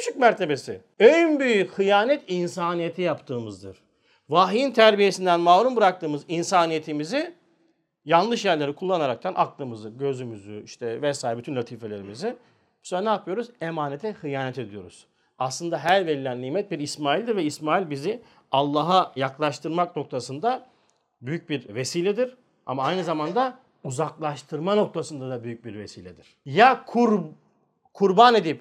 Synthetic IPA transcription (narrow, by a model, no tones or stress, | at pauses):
y̥ʃʰycmæɾt̪ʰe̞be̞si | ønbyjyxɯjaːnɛt̪ʰinsaːnije̞t̪ʰijapt̪ʰɯːmɯzd̪ɯ̰ɾ̥ | vaːɦiint̪ʰæɾbije̞sind̪ænmaːɾunbɯɾak̚t̪ʰɯːmɯzinsaːnijet̪ʰimizi | janˠlˠɯʃjæɾlʲe̞ɾikʰulˠːanaɾak̚t̪ʰanʔaklˠɯmɯzɯɟø̞zymyzyiʃt̪ʰɛvɛsaːjɾɛbyt̪ʰynlʲat̪ʰiːfe̞lʲe̞ɾimizɪ | b̥saɾanaːpʰɯjo̞ɾuzemaːnet̪ʰɛxɯjaːnɛt̪ʰe̞d̪ijo̞̰ɾuz̥ | aslˠɯnd̪aɦæɾvelilʲænlʲiːmɛt̪̚biɾismaːjilʲd̪iɾvɛismaːjilʲbizi | alˠːaːɦajaklˠaʃt̪ʰɯɾmakno̞k̚t̪ʰasɯnd̪a | byjyc̚biɾve̞siːlʲɛd̪iɾ | a̰maajnɯzamand̪a | uzaklˠaʃt̪ʰɯɾmano̞k̚t̪ʰasɯnd̪ad̪abyjyc̚biɾvesiːlʲɛd̪iɾ̥jakʰuɾ | kʰuɾbane̞d̪ip